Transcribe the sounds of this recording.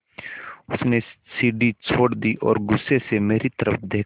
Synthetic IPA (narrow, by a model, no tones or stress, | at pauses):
ʊsnesiːɖit͡ʃʰoːɽd̪iʔɔ̰ːɾɡʊsːesemeːɾit̪ɐɾəp̚ʰd̪eːk